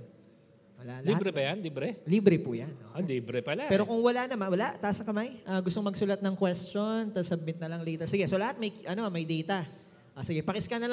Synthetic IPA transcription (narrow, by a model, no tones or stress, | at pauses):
wɐlaʔlɐihabɾɛbɐjanliːbɾɛliːbɾɛpujanʔoʔaliːbɾɛpɐlapɛːɾo̞kʊŋwɐlanɐmanwɐlaʔt̪aʔsɐkɐmajʔɐːɡʊst̪oŋmɐɡsuːlat̪̚nɐŋkwɛst͡ʃo̞nt̪ɐsɐb̚mɪt̪̚nɐlɐŋlɛjt̪ɐsɪɡɛso̞lɐhat̪̚mɐjʔɐnomɐjd̪ɛjt̪ɐ | ʔosɪɡɛpɐkɪskɐnɐlɐ